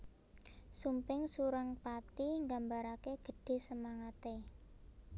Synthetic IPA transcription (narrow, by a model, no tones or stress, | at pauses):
sumpɪŋsuɾaŋpat̪iŋɡambaɾakeɡ̥ə̤ɖ̥e̤səmaŋat̪e